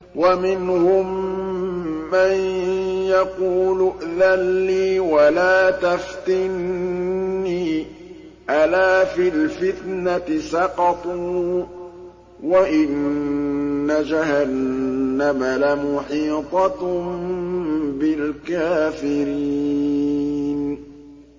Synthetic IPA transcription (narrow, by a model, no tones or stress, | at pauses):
wamɪnhʊm | anjaquːlʊʔðalːiːwalaːt̪aft̪ɪnː | iː | ʔalaːfilfɪt̪nat̪ɪsɑqɑt̪ˤu | waʔɪnː | ad͡ʒahanːamalamʊħiːt̪ˤɑt̪m | bɪlkaːfɪɾiː | n